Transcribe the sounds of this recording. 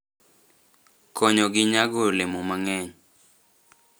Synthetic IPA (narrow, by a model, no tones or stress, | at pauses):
kʰɔɲɔɡɪɲaɡolemomaŋɛɲ